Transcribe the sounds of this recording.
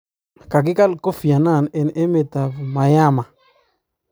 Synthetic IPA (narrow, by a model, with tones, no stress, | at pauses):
ka˨k̬ɪ˦ka˦lko˦fi˨a˨na˦˨nɛ˨nɛ˦me˨ta˨vma˨ja˦ma˨